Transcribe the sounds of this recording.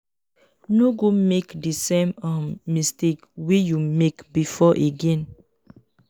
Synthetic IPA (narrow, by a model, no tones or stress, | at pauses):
noɡomekdisẽmãmːistekwijumekbifɔʔeɡɛ̃n